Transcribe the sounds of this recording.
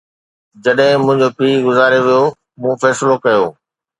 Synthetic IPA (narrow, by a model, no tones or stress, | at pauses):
d͡ʑɐɗɦɪ̃mʊ̃ɦɪ̃ɲd͡ʑopiːɡʊzaːɾeʋijo | mũːfɛːsɪlokɐjoː